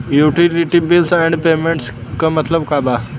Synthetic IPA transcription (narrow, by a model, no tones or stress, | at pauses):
juʈiliʈibilsɛ̃ɳɖpemeɳʈskamət̪ləbkaba